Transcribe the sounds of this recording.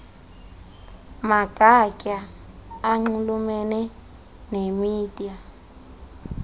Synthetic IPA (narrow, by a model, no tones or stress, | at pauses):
maɡ̥ʼʱacʼa | aŋ͡ǀulumɛnɛ | nemiːd̥ʱʼia